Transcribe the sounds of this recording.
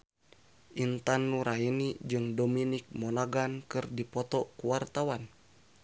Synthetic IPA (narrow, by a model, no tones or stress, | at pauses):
ʔint̪anːuɾainid͡ʒɨŋdominik̚mɔnaɡankɨrdipɔt̪ɔkuwart̪awan